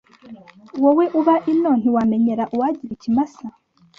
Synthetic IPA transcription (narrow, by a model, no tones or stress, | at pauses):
woweʔuβaʔinon̥iwame̞ɲe̞ɾaʔuwaɟiɾicimasa